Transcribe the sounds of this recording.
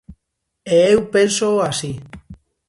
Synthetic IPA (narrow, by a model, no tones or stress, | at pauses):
eːwpensoasi